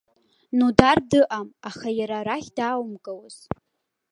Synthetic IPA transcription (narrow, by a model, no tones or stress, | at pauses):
nudardɨʔamaχajaɾaɾaχʲdaːwmkʼawz̥